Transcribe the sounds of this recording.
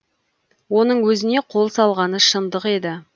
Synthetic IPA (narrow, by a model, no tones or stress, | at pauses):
wo̞nəɴwɵzɪne̞qʰo̞lˠsɑlˠʁɑnəʃənd̪əqe̞d̪ɪ